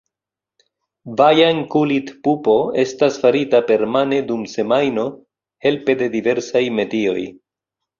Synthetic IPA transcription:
vajankulitpupo̞e̞stasfaɾitape̞ɾmane̞dumse̞majno̞ | he̞lpe̞de̞dive̞ɾsajme̞dio̞j

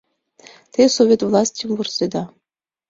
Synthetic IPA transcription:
t̪ʲesovʲet̪vlˠɑsʲtʲimvursʲed̪ɑ

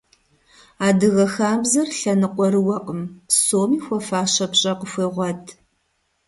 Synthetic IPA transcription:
aːdɨɣɐxaːbzɐrɬɐnɨqʷʼɔɾɨwɐqʼəmsoːmiːxʷɔfaːɕɐpɕʼɐqəxʷeːʁʷɔtʰ

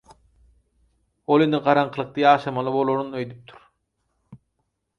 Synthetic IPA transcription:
olˠinɯqɑɾɑɴqʰɯlˠɯq̚t̪ʰɯjɑːʃɑmɑlˠɯbo̞lˠoɾunøjd̪yp̚t̪ʰy̥ɾ̥

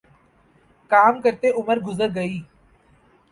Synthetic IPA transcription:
kaːmkəɾt̪eʔʊməɾɡʊzəɾɡəiː

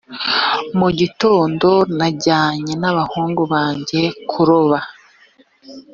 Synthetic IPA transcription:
muɟitoːndo̞naɟaːɲe̞naβahuːŋɡuβaːɲɟe̞kʰuɾoβa

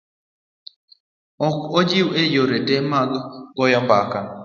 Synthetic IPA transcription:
ɔkɔd͡ʒiwejoɾetemaɡɡɔjɔmbaka

